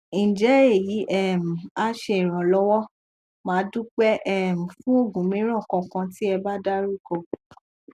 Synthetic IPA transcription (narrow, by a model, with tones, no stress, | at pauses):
ĩ˨d͡ʒɛ˨˦e˦˨ji˨˦ʔɛ˦˨m̩˨a˦ʃe˧i˨ɾ̃ã˨lɔ˦wɔ˦ | mãː˨˦du˦k͡pɛ˦ʔɛ˦m̩̃˨fũ˦o˦˨ɡũ˨˦mĩ˨˦ɾ̃ɔ̃˦˨kɔ̃˧kã˧ti˦ɛ˧ba˦da˦ɾu˦ko˦˨